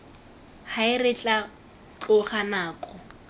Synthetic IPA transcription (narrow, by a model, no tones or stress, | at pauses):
haɪrɪt͡ɬʼa | t͡ɬʊχanaːkʼɔ